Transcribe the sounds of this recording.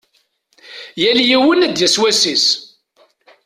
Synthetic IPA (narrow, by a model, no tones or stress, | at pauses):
jæljiwənæd̪jæswæsis